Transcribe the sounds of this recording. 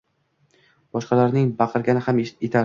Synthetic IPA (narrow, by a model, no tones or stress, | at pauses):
b̥ɒʃqɑlaɾnɪŋbɑqʰɨɾɡʲanɪhamet̪ʰaɾ